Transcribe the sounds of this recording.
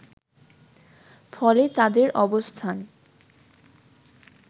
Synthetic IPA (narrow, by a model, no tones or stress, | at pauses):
fɔlet̪ad̪eɾʔɔbost̪ʰan